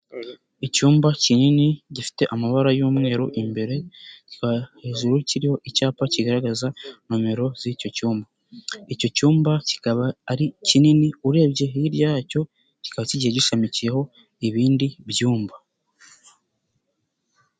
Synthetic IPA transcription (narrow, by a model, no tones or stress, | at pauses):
icuːmbacininiɟifi̥te̞ʔamaβaɾajuːmŋe̞ːɾoʔimbe̞ɾe̞ci̥kahe̞ːʒuɾuciɾiho̞ʔicaːpaciɡaɾaɡazanome̞ɾo̞z̥ico̞cuːmba | ico̞cuːmbaci̥kaβaːɾicininiuɾe̞ːbɟe̞jiɾɟaːco̞ | ci̥kaβaciɟieɟiʃamicijeɦo̞ | iβiːndibjuːmba